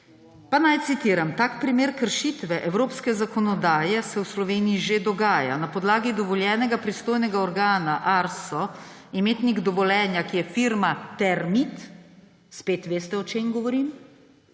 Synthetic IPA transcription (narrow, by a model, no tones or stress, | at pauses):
panajt̪sit̪iːɾamt̪aːkpɾimeːɾkəɾʃit̪ʋɛʔɛwɾoːpskɛzakɔnɔd̪aːjɛsɛwslɔʋeːnijiʒed̪ɔɡaːja̰napɔd̪laːɡid̪ɔʋɔljɛːnɛɡapɾist̪oːjnɛɡaɔɾɡaːnaʔaɾsɔ | imeːt̪niɡd̪ɔʋɔlɛːnjakijɛfiːɾmat̪ɛɾmit̪ | speːt̪ʋeːst̪ɛɔt͡ʃeːmɡɔʋɔɾim